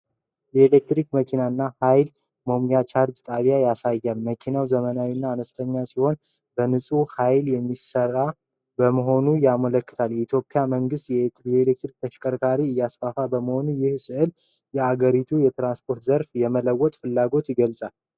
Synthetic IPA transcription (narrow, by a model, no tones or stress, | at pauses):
jɛelek̚t̪ɾikməkʰinaɨnːahajl | məmjat͡ʃaɾd͡ʒt̪ʼaβijajasajːalməkʰinawzəmənawinːaːnəst̪ʰəɲːasiho̞n | bənɨsʼuhajljɛmːisərːa | bəməɦo̞nujamələkːɨ̥t̪ʰaljɛit̪ʰjo̞pʼːijaməŋɡɨst̪jɛlek̚t̪ɾik̚t̪ʰəʃkʼəɾkʰaɾiɨjːasfafabəməho̞nujɪhsɨʔɨljɛaɡəɾit̪ʰujɛt̪ɾanspʰo̞ɾt̪zəɾfjɛmələwːɔt̪ʼfɨlːaɡo̞t̪jɪɡəlsʼal